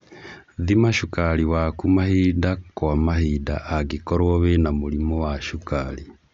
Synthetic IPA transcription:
ðimaʃukaɾiwakumahidakwamaɦida̰ʔaɡekɔɾwɔβenamoɾimɔwaʃukali

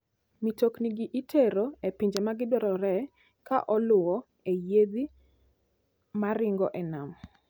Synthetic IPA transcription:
mitokniɡiʔitʰeɾoepiɲd͡ʒemaɡɪdɔɾɔɾɛ | kaʔɔlʊɔ | ejed̪i | maɾɪŋɡɔʔɛnam

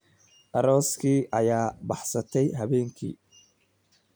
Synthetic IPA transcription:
ʔɐɾɔːskʰiːʔɐjaːbɑħsɐt̪ʰɛjɦɐβɛːŋkʰḭː

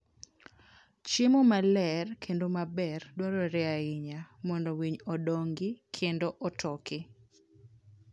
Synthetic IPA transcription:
t͡ʃɪmɔmalɛrkʰendomabɛrdwaɾɔɾɛaɪɲamɔndɔwiɲɔdɔŋɡɪkʰendoʔɔtʰɔkɪ

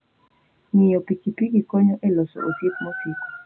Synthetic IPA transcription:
ŋɪjɔpikipiɡikɔɲɔʔɛlɔsɔ̰ʔosit̪̚mɔsiko̥

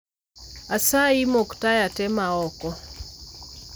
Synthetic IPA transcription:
asaimoktajatɛmaɔkɔ

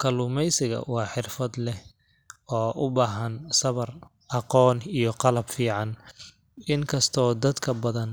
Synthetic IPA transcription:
kʰɐlʊmɛjsɪɣɐ̰wɑːħɪrfɐd̪lɛh | ɔːʔʊbaːɦɐnsɐβɐr | ɑqɔːnijɞqɑlɐbfiːʕɑn | ɪŋkʰɐst̪ʰɔːd̪ɐd̪kʰɐbɐðɐn

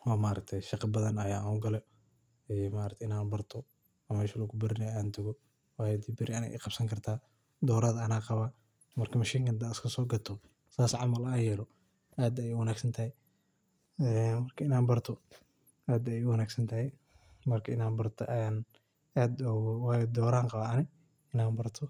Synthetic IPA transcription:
wɑːmaːɾɐk̚t̪ʰɛjʃɑqɑbɐðɐnɐjaːʔnʊɡɐlɛ | ɛjmaːɾɐkt̪ʰɛɪnaːnbɐrt̪ʰɔ | ɐmɛːʃɐlɐɡʊbɐɾɪnɐjaːnt̪ʰɐɣɔ | waːjɛd̪ibɪɾɪɐnɛ̰ʔḭːqɑb̥sɐŋkʰɐrt̪ʰaː | d̪ɔːɾɐðɐɐnaːqɑβaː | mɐrkʰɐmɐʃiːŋkʰɐnd̪ɐɪskʰɐsɔːɡɐt̪ʰɔ | saːsʕɑmɐlaːjɛːlɔ | ʔaːd̪ɐjɛwɐnaːɡsɐnt̪ʰɐhɛj | ɛːmɐrkʰɐɪnaːnbɐrt̪ʰɔ | ʔaːd̪ɛjɛʊwɐnaːɡsɐnt̪ʰɐɦɛj | mɐrkʰɐɪnaːnbɐrt̪ʰɔ̰ʔaːn | aːd̪ɔwaːjd̪ɔːɾaːŋqɑβaʔɐnɪ | ɪnaːbɐrt̪ʰɔ

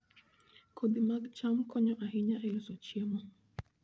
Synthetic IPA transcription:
kʰod̪imaɡt͡ʃamkʰɔɲɔʔaɦiɲaʔelɔsot͡ʃiɛmɔ

